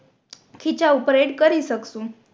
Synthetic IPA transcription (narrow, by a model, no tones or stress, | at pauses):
kʰit͡ɕaopɾeʈkəɾisəksũ